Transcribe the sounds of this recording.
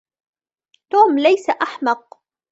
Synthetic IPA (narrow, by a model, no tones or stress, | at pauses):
t̪oːmlajsaʔaħmɑq̚